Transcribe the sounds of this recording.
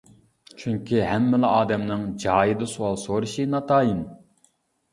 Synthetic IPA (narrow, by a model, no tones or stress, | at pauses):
t͡ʃʰyŋkʲʰiɦɛmːɪlɑʔɑːd̪ɛmnɨŋd͡ʒɑːjɨd̪ɨsuwɑlˠsoɾuʃinɑt̪ʰɑːjin